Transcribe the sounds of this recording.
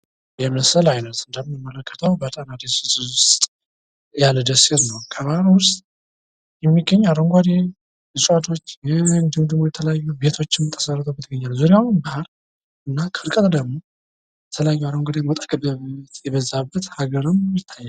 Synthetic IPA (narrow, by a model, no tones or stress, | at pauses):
jɛməsəlajnət̪ɨnd̪əmnmːələkːət̪ʰəwbət̪ʼanad̪esɨzʊstt̪ʼ | jald̪əseɾnəwkʰəβahaɾwʊst̪ʼ | jɛmːiɡːəɲːaɾoŋɡʷad̪e | ɨsʼwat̪ʰo̞t͡ʃːjnd̪ɨmd̪ɨmojɛt̪ʰələjajːube̞t̪ʰo̞t͡ʃːɪmɨt̪ʰʼːə̥sərət̪ʰəwbət̪ʰːɨɡəɲːalzuɾiawʊnbahaɾ | ʔɨnːakʰəɨɾkʼət̪ʼd̪əɡmo̞ | jɛt̪ʰələjajːuaɾoŋɡʷad̪ewɔt̪ʼḁkəbəet̪jɛβəzabːət̪haɡəɾɨmjɪt̪ʰːajːal